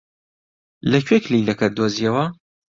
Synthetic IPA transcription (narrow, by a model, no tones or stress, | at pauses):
lɐcʰwekliːlɐkɐt̪̚d̪ozijɐwɐ